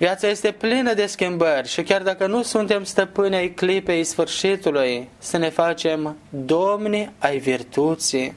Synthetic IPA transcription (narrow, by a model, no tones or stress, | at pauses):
vijat̪saje̞st̪e̞plinəd̪e̞skʲimbərʲʃikʲard̪akənusunt̪e̞mst̪əpɨnʲajklipe̞jsfɨrʃit̪ulujsəne̞fat͡ʃe̞md̪o̞mniajvirt̪ut̪si